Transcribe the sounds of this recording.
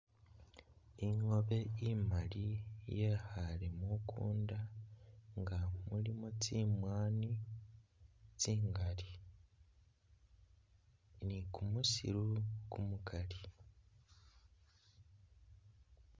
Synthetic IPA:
iŋo̞βe̞imalije̞halemukʰṵːnda | ŋɡamulimot͡simwaːni | t͡siːŋɡali | nikumusḭɾukumukʰali

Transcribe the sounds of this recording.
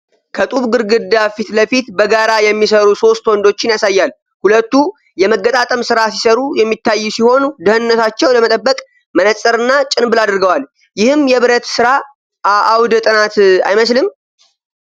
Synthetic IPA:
kʰət̪ʼuβɡɨɾɡɨd̪ːafit̪ləfit̪bəɡaɾajɛmːisəɾuso̞st̪wɔnd̪o̞t͡ʃːɪnjasajːal | hulət̪ːu | jɛməɡːət̪ʼat̪ʼəmsɨɾasi̥səɾujɛmːit̪ːajːusiho̞nud̪ɨhɨnːət̪ʰat͡ʃːɛwləmət̪ʼəbːəkʼ | mənəsʼəɾɨnːat͡ʃʼɪnbɨlad̪ɨɾɡəwal | jɪhɨmjɛβɨɾət̪sɨɾa | ʔaʔawd̪t̪ʼɨnat̪a̰jməslɨm

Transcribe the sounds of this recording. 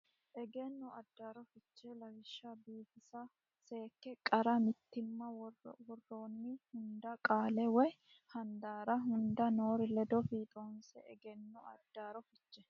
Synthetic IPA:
ʔɛɡɛnːɔɐd̪ːaːɾɔfɪt͡ʃːɛlɐwɪʃːɐbiːfɪsɐ | se̞ːkːɛkʼɐɾɐmɪt̪ːɪmːɐwɔrːoːnːɪhʊnd̪ɐkʼaːlɛwɛj | hɐnd̪aːɾɐɦʊnd̪ɐno̞ːɾɪlɛd̪ɔfiːt̪ʼoːnsɛɛɡɛnːɔɐ̰d̪ːaːɾɔfɪt͡ʃːɛ̥

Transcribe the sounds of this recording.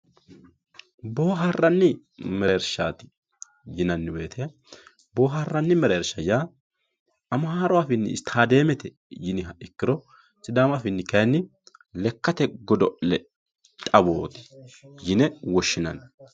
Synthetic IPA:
bo̞ːɦarːɐnːɪ | mɛɾʃaːt̪ɪ̥ | jɪnɐnːɪbe̞ːt̪ʰɛ | bo̞ːɦarːɐnːɪmɛɾeːɾʃɐjaː | ɐmaːɾʊwaːfɪnːɪ̰ɪst̪ʰaːd̪e̞ːmɛt̪ɛ | jɪnɪɦɐɪkːɪɾɔ | sɪd̪aːmafɪnːɪkɐjnːɪ | lɛkːɐt̪ɛɡɔd̪ɔʔlɛ | t̪ʼɐbo̞ːt̪ɪ̥jɪnɛwɔʃːɪnɐ̰n

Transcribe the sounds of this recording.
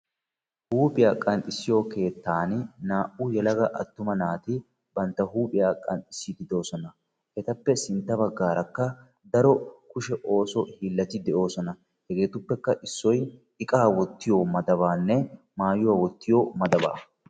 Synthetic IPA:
huːpʼɪjaːkʼɐnt̪ʼɪsːɪjo̞ːke̞ːt̪ːaːnnaːʔʊjɛlɐɡɐʔɐ̰t̪ːʊmɐnaːt̪ɪ | bɐnt̪ːɐhuːpʼɪjaːkʼɐnt̪ʼɪsːid̪ɪd̪o̞ːsɔnɐ | hɛt̪ɐpːɛsɪnt̪ːɐbɐɡːaːɾɐkːɐ | d̪ɐɾɔkʊʃɛʔo̞ːsɔhiːlːɐt̪ɪd̪ɛʔo̞ːsɔnɐ | hɛɡe̞ːt̪ʊpːɛkːɐʔɪsːɔj | ɪkʼaːwɔt̪ːɪjoːmɐd̪ɐβaːnːɛ | maːjʊwaːwɔt̪ːɪjomɐd̪ɐba̰ː

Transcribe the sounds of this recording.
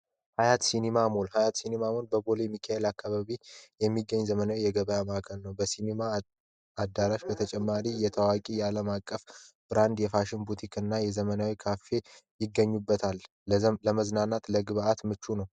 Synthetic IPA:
hajat̪sinemamolhajat̪sinemamo̞lbəɡo̞lemikʰaelakʰːaβaβijɛmːiɡːəɲːzəmənawijɛɡəβəjamakʰənnəwbəsinema | ad̪ːaɾaʃbət̪ʰət͡ʃʼɛmːaɾijɛt̪ʰəwakʼijɛaləmakʼːəfb̥ɨɾand̪jɛfaʃɪnbut̪ʰikɨnːajɛzəmənawikʰafːe̞jɪɡːəɲːubːət̪ʰal | ləməznanːat̪ləɡɨβʔat̪mɨt͡ʃːunəw

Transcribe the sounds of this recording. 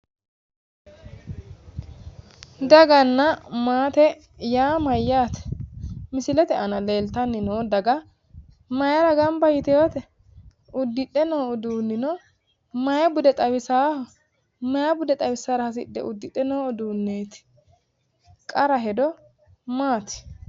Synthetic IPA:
d̪ɐɡɐnːɐmaːt̪ɛ | jaːmɐjːaːt̪ɛ̥mɪsɪlɛt̪ɛʔɐnɐle̞ːlt̪ɐnːɪnoːd̪ɐɡɐ | mɐjɐɾɐɡɐmbɐjɪt̪ɛjoːt̪ɛ | ʊd̪ːɪɗːɛnoːɔd̪uːnːɪnɔ | mɐjɐbʊd̪ɛt̪ʼɐwɪsaː | mɐjɐbʊd̪ɛt̪ʼɐwɪsaɾɐhɐs̬ɪ̰ɗːɛ̰ʔʊd̪ːɪᶑɛnoːɔd̪uːnːeːt̪ɪ̥ | kʼɐɾɐɦɛd̪ɔ | maːt̪ɪ̥

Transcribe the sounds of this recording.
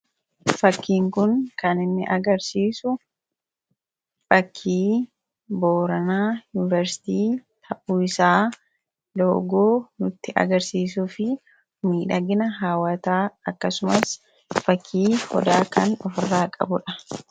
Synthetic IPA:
fɐkːiːŋkʊnkɐnɪnːɪ̰ʔɐɡɐɾsiːsʊ | fɐkʰːiː | boːɾɐnaːjʊnɪvɐɾsɪ̥t̪iːt̪ʰɐʔuːɪsaː | loːɡoːnʊt̪ːɪʔɐ̰ɡɐɾsiːs̬ʊfɪ | miːᶑɐɡɪnɐɦaːwɐt̪aːɐkːɐsʊmɐs | fɐkʰːiːhɔ̰d̪aːkɐnɔfɪrːaːkʼɐ̰bʊᶑɐ

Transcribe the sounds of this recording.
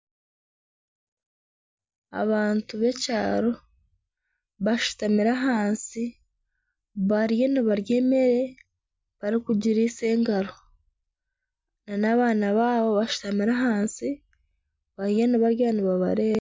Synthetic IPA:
a̰βaːntuβe̞ca̰ːɾo̞ | βaʃu̥tamiɾaɦaːnsi | βaɾije̞niβaɾje̞ːme̞ɾe̞ | βaɾikuɟiɾiːse̞ːŋɡaɾo | nanaβaːnaβaːβo̞βaʃu̥tamiɾaɦaːnsi | βaɾije̞niβaɾjaːniβaβa̰ɾeːβa

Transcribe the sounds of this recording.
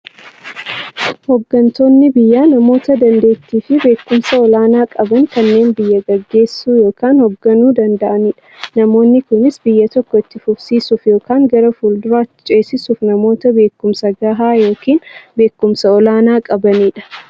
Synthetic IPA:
hɔɡːɐnt̪o̞ːnːɪbɪjːaːnɐmo̞ːt̪ɐd̪ɐnd̪e̞ːt̪ːiːfɪbe̞ːkːʊmsɐɔlaːnaːkʼɐbɐŋkɐnːe̞ːnbɪjːɐɡɐɡːe̞ːsːuːjo̞ːkaːnhɔɡːɐnuːd̪ɐnd̪ɐʔɐniːᶑɐ̥nɐmo̞ːnːɪkʊnɪsbɪjːɐt̪ɔkːɔɪt̪ːɪfʊfsiːsʊfjo̞ːkaːŋɡɐɾɐfuːld̪ʊɾaːt̪ːɪ̥t͡ʃʼe̞ːsːɪsʊfnɐmo̞ːt̪ɐbe̞ːkːʊmsɐɡaːɦaːjo̞ːkiːnbe̞ːkːʊmsɐɔlaːnaːkʼɐbɐniːᶑɐ̥

